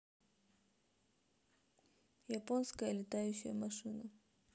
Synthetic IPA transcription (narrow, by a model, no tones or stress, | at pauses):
jɐponskəjəlʲɪt̪ajʉɕːɪ̰jəmɐʂɨnə